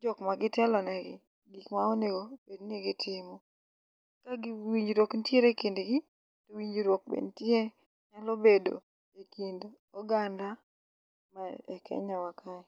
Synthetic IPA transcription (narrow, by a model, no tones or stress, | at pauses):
d͡ʒɔkmaɡɪtɛlɔnɛɡɪ | ɡikmaoneɡobedniɡɪtʰɪmɔ | kaɡɪwiɲd͡ʒɾwokntjeɾekendeɡi | towiɲd͡ʒɾwok̚bḛntje | ɲalɔbedo̰ | ekindo | ɔɡanda | maɛ̰kɛ̰ɲawakʰaɛ